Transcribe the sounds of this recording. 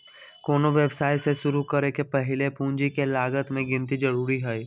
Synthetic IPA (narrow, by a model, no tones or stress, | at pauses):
koːnoʋjɛʋsaːjseʃʊɾukɐɾekepɐɦɪlepũːd͡ʒikelaːɡət̪mẽɡɪ̃nt̪id͡ʒɐɾuːɾiɦɛi